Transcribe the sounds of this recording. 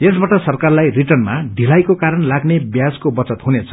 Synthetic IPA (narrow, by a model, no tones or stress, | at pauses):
esbaʈʌsʌrkarlajriʈʌrnmaɖʱilajkokaɾʌnlaɡnebjad͡zkobʌt͡sʌt̪ɦunet͡sʰʌ̥